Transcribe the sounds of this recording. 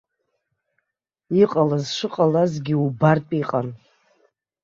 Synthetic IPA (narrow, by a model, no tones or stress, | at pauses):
iqʼalazʂɨqʼalazɡʲɪubarpʼiqʼan